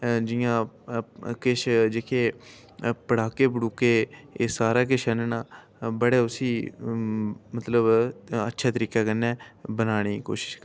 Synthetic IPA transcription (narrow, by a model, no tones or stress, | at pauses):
d͡ʒɪjãː | kɪʃd͡ʒekʰeː | pəɽaːkeːpəɽuːkeːsaːɾaːk̬ɪʃɛnenaː | bəɽeːʊsiː | mət̪ləbətːʃʰaːt̪əɾiːkaːkənːɛːbənaːɽ̃iːko̰ːʃɪ̥ʃkː